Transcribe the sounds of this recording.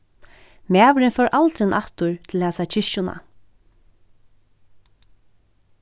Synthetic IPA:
mæːʋɪɾɪnfœɾʔalt̪ɾɪnʔaht̪ʊɹt̪ʰɪlhæːsat͡ʃʰɪʃʊna̰

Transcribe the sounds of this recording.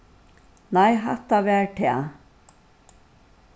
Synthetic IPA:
najɦa̰t̪ːaʋɛːɹʈʰɛː

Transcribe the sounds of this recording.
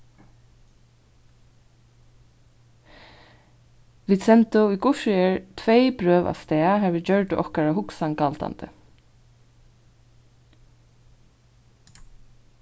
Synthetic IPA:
ʋiːd̪sɛnt̪ʊikʊʃɪɛɹt̪ʰʋejpɾœːʋa̰st̪ɛːaɦɛɪt͡ɕœɹt̪ɪʔɔhkaɹaɦʊksankalt̪a̰nt̪ə̰

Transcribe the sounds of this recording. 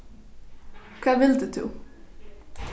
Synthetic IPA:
kʰaːvɪld̪ʉd̪ʰʉ̰ː

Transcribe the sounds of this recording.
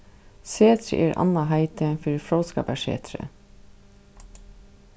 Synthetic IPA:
seːt̪ʰɾə̰ʔeːɹʔɑ̰nɑɦæɪt̪əfʏɹfɹoʊskɑ̰ːpæʃḛːt̪ʰɾə̰

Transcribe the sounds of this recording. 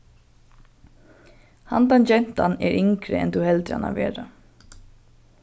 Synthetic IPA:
hant̪ant͡ɕɛn̥t̪anɛɾʔɪŋkɾɪ̰ɛ̰nt̪ʰuhɛlt̪ɪa̰na̰vɛːɾa

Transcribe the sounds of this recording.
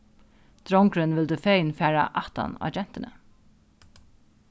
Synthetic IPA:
d̪̥ɾɔŋkɾʏnʋɪld̪əfeɪnfæːɹa̰ʔɑt̪a̰na̰d͡ʒɛn̥t̪ɪnə̰

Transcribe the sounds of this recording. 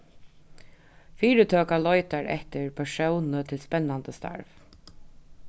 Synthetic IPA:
fiːɾət̪ʰœːkalɔjt̪aɾʔɛ̰ht̪ɪɹpʰɛʂɔwnət̪ʰɪlspɛnːant̪əst̪a̰ɹv

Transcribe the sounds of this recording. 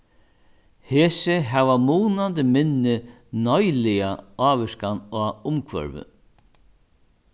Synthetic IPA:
heːsɪɦɛʋamuːnant̪ɪmɪnːɪ | nɔjlɪjaaːʋɪskanaːʊmkʰvœ̰ɾʋʏ̰

